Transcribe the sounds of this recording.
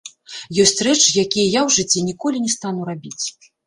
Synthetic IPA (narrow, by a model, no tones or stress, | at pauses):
jɔsʲt͡sʲrɛt͡ʂɨjakʲijɐjawʐɨt͡sʲːɛnʲikɔlʲinʲɛst̪anuɾabʲit͡sʲ